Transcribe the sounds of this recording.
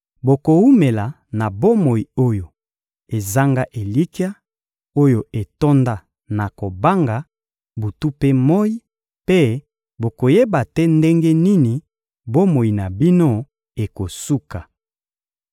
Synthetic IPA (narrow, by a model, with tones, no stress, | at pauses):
bo˨ko˨wu˦me˨la˨ | na˨bo˦mo˨i˨o˦jo˨ | e˨za˦ŋɡa˦ʔe˨li˦ki˦a˦ | o˦jo˨e˨to˦nda˦ | na˨ko˨ba˦ŋɡa˨ | bu˨tu˦pe˦mo˦i˦ | pe˦ | bo˨ko˨je˦ba˨tɛ˦nde˦ŋɡe˦ni˦ni˨ | bo˦mo˨i˨na˨bi˦no˦ | e˨ko˨su˦ka˨